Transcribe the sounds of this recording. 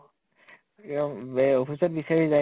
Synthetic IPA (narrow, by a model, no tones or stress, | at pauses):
opʰisɔt̚bisaɹiza